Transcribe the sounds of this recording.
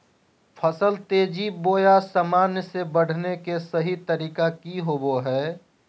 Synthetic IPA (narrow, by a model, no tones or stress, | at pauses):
pʰəsəlt̪eːd͡ʒiboːjasəmaːnjsebəɽ̤nekesəɦit̪əɾiːkakiɦoːboɦɛː